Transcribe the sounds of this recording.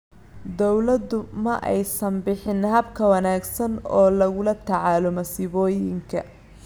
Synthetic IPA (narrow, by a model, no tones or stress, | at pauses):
d̪ɔwlɐd̪ʊmɐʔɛjsɐmbɪħɪnɦɐbkʰɐwɐnaːɡsɐnɔːlɐɣʊlɐt̪ʰɑʕaːlɔmɐsɪβɔːjɪŋkʰɐ